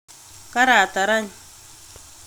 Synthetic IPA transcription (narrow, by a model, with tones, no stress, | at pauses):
ka˦ɾa˨t̪a˨ɾa˦ɲ˨